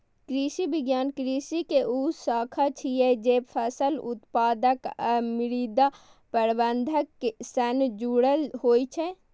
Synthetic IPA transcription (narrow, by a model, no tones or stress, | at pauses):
kɾisibiɡjaːnkɾisikeʔusaːkʰat͡ʃʰijɛd͡ʒeːpʰəsəlut̪paːd̪əkəmiɾid̪a | pəɾbənd̪ʱəkːesənd͡ʒuɽəlɦoːjt͡ʃʰɛ